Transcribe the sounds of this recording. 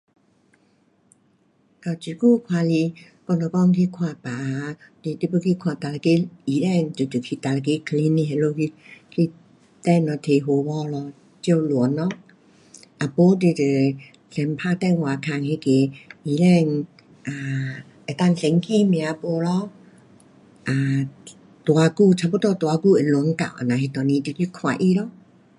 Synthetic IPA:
ka˨˩t͡ɕi˨˩ku˥˧˨kʰwa˧li˧ | kɔ˧nɔ˨˧˨kɔ˧˨ŋkʰi˧kʰwa˧˨pa˨˦ti˧ti˦˧pə˧kʰi˧kʰwa˧˩t̪a˧la˧ke˦i˨˦lɛ˥˧˩ŋt͡ɕo˨˩t͡ɕu˨˩kʰi˧t̪a˨˩la˨˧ke˧˦kʰli˧˦ni˧ɦe˧˨lo˧kʰi˧kʰi˧ | t̪ɛ˥˧˩nɔ˧t̪ʰe˨ɦo˧˦bɔ˧lɔ˧ | t͡ɕjo˧lɔ˨˦nːɔ˧˦ | ʔa˨˧po˧˦t̪i˧˨te˨˩ | sɛ˧mpʰa˧t̪ɛ˥˧nwa˨˩kʰa˧ŋhe˧˦ke˧˦i˧lɛ˧n | ʔa˨ | e˨t̪a˥˧˨ŋsɛ˧ŋkʰi˧˨mj̃ã˧po˧˦lɔ˧˦ | ʔa˨˩ | t̪wa˨˧˦ku˥˧˨t͡ɕʰa˧pu˦t̪ɔ˧t̪wa˨˧ku˥˧˨e˨lɔ˨˧˦nka̰˨wʔa̰˨nã˨ɦi˧t̪ɔ˨˩nĩ˧t̪i˧˨ki˧˦kʰwa˨ʔi˧˨lɔ˧˦

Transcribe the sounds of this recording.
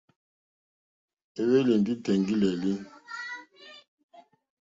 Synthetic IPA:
e˦βe˦li˨ndi˦tɛ˨ŋɡi˦lɛ˨li˦

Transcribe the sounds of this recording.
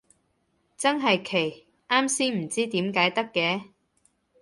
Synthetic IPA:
t͡sɐ˥nɦɐ˨jkʰe˨˩j | ʔaː˥msiː˥ŋm̩˨˩t͡siː˥t̪iː˨˥mkaː˨˥jt̪ɐ˥kːɛː˨˥

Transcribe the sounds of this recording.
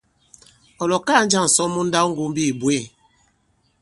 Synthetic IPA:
ɔ˨lɔ˨ka˦˨˦n̩˦d͡ʒa˦˨ŋ̩˨sɔ˦mu˦n̩˦da˦wŋ̩˦ɡu˦m˦bi˦˨bwe˦˨

